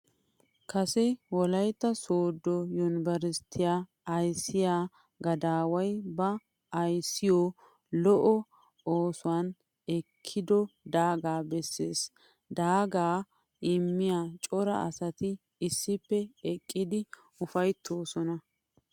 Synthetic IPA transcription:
kɐsɛwɔlɐjt̪ːɐsoːd̪ːɔjʊnbɐɾɪst̪ʰːɪjaː | ɐjsːɪjaː | ɡɐd̪aːwɐjbɐ | ɐjsːɪjoː | lɔʔɔ | oːsʊaːn | ɛkʰːɪd̪ɔd̪aːɡaːbɛsːḛːs | d̪aːɡaː | ʔɪmːɪjaːt͡ʃʼɔɾɐ̰ɐ̰sɐt̪ɪ | ɪsːɪpːɛɛkʼːɪd̪ɪ | ʊfɐjt̪ʰːoːsɔnɐ

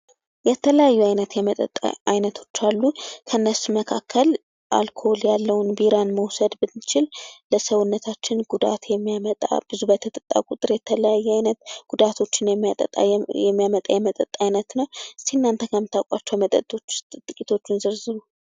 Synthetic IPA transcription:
jɛt̪ʰələjajːuajnət̪jɛmət̪ʼə̰t̪ʼːa̰ajnət̪ʰo̞t͡ʃːalːukʰənːəsməkʰakʰːəl | ʔa̰lkʰo̞ljalːəwʊnbiɾanməwsəd̪bɨnːt͡ʃɪlləsəwʊnːət̪ʰat͡ʃːɪnɡud̪a̰t̪jɛmːijamət̪ʼa̰b̥ɨzubət̪ʰət̪ʼət̪ʼa̰kʼut̪ʼɨɾjɛt̪ʰələjajːɛajnət̪ɡ̥ud̪at̪ʰo̞t͡ʃːɪnt̪ʼə̰t̪ʼa̰jɛmːijamət̪ʼajɛmət̪ʼət̪ʼːajnət̪nəwsiɨnːant̪ʰəkʰəmɨt̪ʰːakʷʼat͡ʃːɛwmət̪ʼə̰t̪ʼːo̞t͡ʃːt̪ʼt̪ʼɨkʼit̪ʰo̞t͡ʃːɪnzɨɾzɨβu

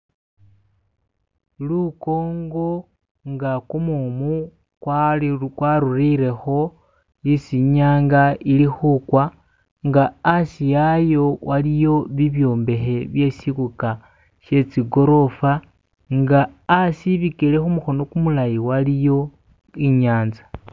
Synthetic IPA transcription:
luko̞ːŋɡo̞ | ŋɡakumumu | kwakwaɾuriɾe̞xo̞ | isiɲaːŋɡailixukwa | ŋɡaːsijajo̞wʔalijo̞βiβjo̞ːmbe̞xe̞βje̞sikuka | ʃe̞t͡siɡo̞ɾo̞fa | ŋɡaːsiβikile̞xumuxo̞no̞kumulajiwalijo̞ | iɲaːnzḁ

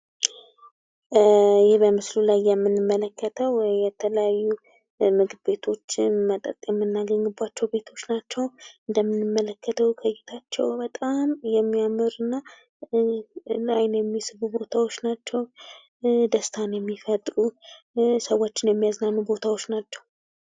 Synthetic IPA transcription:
jɪhbəmɨslulajːɛmːɨnɨmːələkːət̪ʰəwjɛt̪ʰələjajːu | mɨɡɨdbe̞t̪ʰo̞t͡ʃːmət̪ʼə̰t̪ʼjɛmːɨnːaɡəŋɨbat͡ʃːɛwbe̞t̪ʰo̞t͡ʃːnat͡ʃːɛwɨnd̪əmːɨnɨmːələkʰːət̪ʰəwkʰəjɛt̪ʰat͡ʃːɛ̰wbət̪ʼamjɛmːiamːɨɾɨnːa | lajnjɛmːisɨβubo̞t̪ʰawo̞t͡ʃːnat͡ʃːɛw | d̪əst̪ʰanjɛmːifət̪ʼɾu | səwot͡ʃːɪnjɛmːijaznanːubo̞t̪ʰawo̞t͡ʃːnat͡ʃːɛw

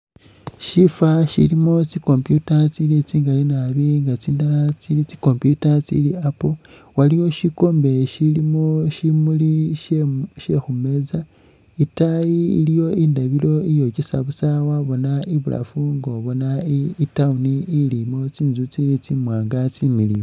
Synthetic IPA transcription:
ʃifaʃḭlimot͡siko̞mpjutat͡silit͡siːŋɡalinaβiŋɡat͡siːndalat͡silit͡si̥ko̞mpjutat͡sḭliapo | walijo̞ʃiko̞ːmbe̞ʃilimoʃimuli | ʃexume̞za | itajḭːlijo̞indaβiɾo̞ijo̞cisaβusawaβo̞naiβula̰fuŋɡoβo̞naiitauniːlimot͡siːnzut͡silit͡simwaːŋɡat͡similijo

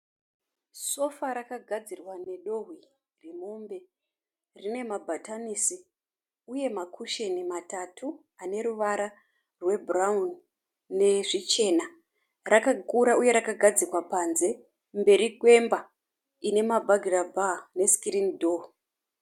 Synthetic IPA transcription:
so̞faɾakaɡʱad͡zirwane̞ɗo̞ɦwi | remumbe̞ | rine̞mabʱatanisi | uje̞makʰuʃenimatatʰu | ane̞ɾuʋaɾa | rwe̞buraunː | e̞ʐit͡ʃe̞na | rakakuɾauje̞ɾakaɡʱad͡zirwapanze̞ | mbe̞ɾikwe̞mba | ine̞mabʱaɡʱirabʱane̞skiɾindo

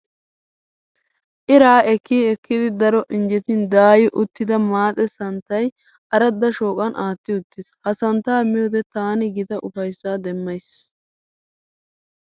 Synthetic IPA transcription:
ʔɪɾaːɛkːiːɛkːɪd̪ɪd̪ɐɾɔʔɪnd͡ʒɛt̪ɪnd̪aːjɪʔʊt̪ːɪd̪ɐmaːt̪ʼɛsɐnt̪ːɐj | ʔɐɾɐd̪ːɐʃo̞ːkʼɐnʔaːt̪ːɪʊt̪ːɪd̪ɐ̥hɐsɐnt̪ːaːmɪjoːd̪ɛt̪aːnɪɡɪt̪ɐʔʊfɐjsːaːd̪ɛmːɐjs

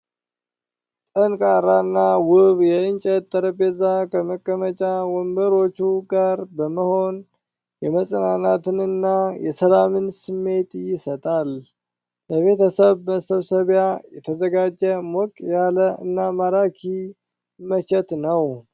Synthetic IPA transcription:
t̪ʼənkʼaɾanːawʊβjɛɨnt͡ʃʼət̪ʼːəɾəpezakʰəməkʼːəmət͡ʃʼawɔmbəɾo̞t͡ʃːuɡaɾbəməho̞n | jɛməsʼənanat̪ɨnɨnːajɛsəlamɨnsɨmːe̞t̪jɪsət̪ʼal | ləβe̞t̪ʰəsəβməsəβsəβjajɛt̪ʰəzəɡad͡ʒːəmɔkʼjaləɨnːamaɾakʰi | mːət͡ʃɛt̪nəw

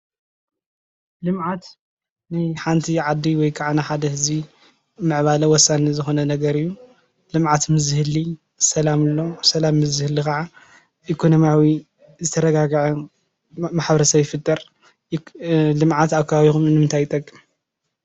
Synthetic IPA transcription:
lɨmʕat̪ | najħant̪ʰiʕad̪ːiwɔjkʰaʕanaħad̪ɐhɨzi | mɨʕβalɐwɔsːanizɨxo̞nɐnɐɡɐɾɨjːu | lɨmʕat̪mɨzɨhɨli | sɐlamɨlːo̞sɐlamːɨzɨhɨlːixaʕa | ʔikʰonomiawi | zɨt̪ʰɐɾɐɡaɡʕu | maħbɐɾɐsɐβjɪfɨt̪ʼːɐɾ | lɨmʕat̪aβkʰɐβaβixumɨnɨmɨnt̪ʰajɪt̪ʼɐkʼːɨm

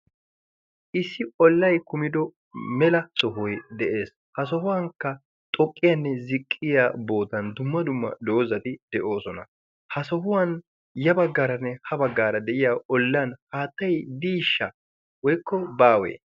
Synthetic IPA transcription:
ʔɪsːɪɔlːɐjkʊmɪd̪ɔ | mɛlɐsɔɦɔjd̪ɛʔe̞ːs | hɐs̬ɔhʊwɐŋkːɐ | t̪ʼɔkʼːɪjɐnːɛzɪkʼːɪjaːbo̞ːt̪ɐnd̪ʊmːɐd̪ʊmːɐ̰d̪oːzɐt̪ɪd̪̥ɛʔo̞ːsɔnɐ | hɐsɔɦʊwɐn | jɐbɐɡːaːɾɐnːɛhɐbɐɡːaːɾɐd̪ɛʔɪjaːɔlːɐnhaːt̪ːɐjd̪iːʃːɐ | wɔjkːɔbaːwḛː

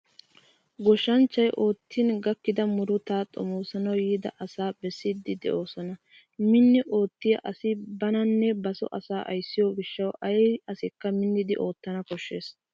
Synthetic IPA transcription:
ɡɔʃɐnt͡ʃːɐjʔo̞ːt̪ːɪnɡɐkːɪd̪ɐmʊɾʊt̪aːt̪ʼɔ̰moːsɐnɐwjiːd̪ɐ̰ʔɐsaːbɛsːid̪ːɪd̪ɛ̰ʔo̞ːsɔnɐ | mɪnːɪʔo̞ːt̪ːɪjɐʔɐsɪbɐnɐnːɛbɐsɔ̰ʔɐsaːʔɐ̰jsːɪjoɡɪʃːɐwʔɐjɐsɪkːɐmɪnːɪd̪ɪʔo̞ːt̪ːɐnɐkɔʃːe̞ːs

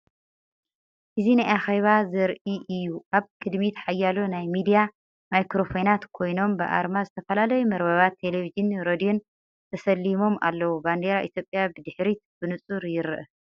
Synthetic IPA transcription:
ʔɨzinajʔaxeβazɐɾʔiʔɨjːuʔaβkʼɨd̪mit̪ʰħajːalonajmid̪ija | majkɾo̞fonat̪kʰo̞jno̞mbɨʔa̰ɾmazɨt̪ʰɐfɐlalɐjumɐɾβɐβat̪ʰːe̞levid͡ʒɨnɾod̪ion | t̪ʰɐsɐlːimo̞mʔa̰lːɐwuband̪eɾaʔit̪jo̞pʼjabɨd̪ɨħɾit̪b̥ɨnɨt͡sʼuɾjɪɾɨʔɨ

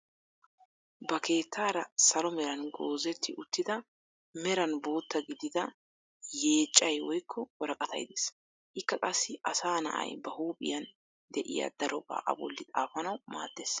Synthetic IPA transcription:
bɐke̞ːt̪ʰːaːɾɐsɐlɔmɛɾɐnɡo̞ːzɛt̪ʰːɪʔʊt̪ːɪd̪ɐ | mɛɾɐnbo̞ːt̪ːɐɡɪd̪ɪd̪ɐ | je̞ːt͡ʃʼːɐjwɔjkʰːɔwɔɾɐkʼɐt̪ʰɐ̰jɪd̪es | ʔɪkːɐkʼɐsːɪʔɐsaːnɐ̰ʔɐ̰jbɐhuːpʼɪ̰jɐn | d̪ɛʔɪ̰jɐ̰d̪̥ɐɾʔɔba̰ːʔɐ̰bɔ̰lːɪt̪ʼa̰ːfɐnɐwma̰ːd̪ːeːs

